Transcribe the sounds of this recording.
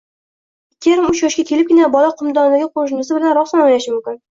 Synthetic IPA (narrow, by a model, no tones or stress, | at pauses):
ɪkʲʰːeɾɪmʊt͡ʃjɒʃkʲakʲʰe̞lɪp̚ʲɪnabɒlaqʰɨmd̪ɒnd̪aɡʲɪqʰoʃnɪsɪbɪlanɾɒsanojlaʃɪmʊmkʲɪn